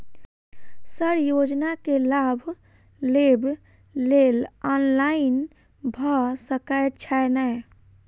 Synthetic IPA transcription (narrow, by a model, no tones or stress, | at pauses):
səɾjod͡ʒnakelabʱ | leb | lelɔnlain | bʱəsəkət͡ʃʰɛnəj